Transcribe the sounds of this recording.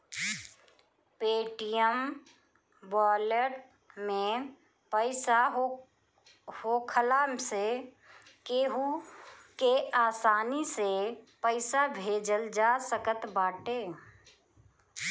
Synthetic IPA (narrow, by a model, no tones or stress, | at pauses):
peːʈijəm | bɔːləʈ | mẽ | pəɪsaɦ | hoːkʰəlaːmse | keːɦukeaːsaːnisepəɪsabʱeːd͡ʒəld͡ʒaːsəkət̪baːʈeː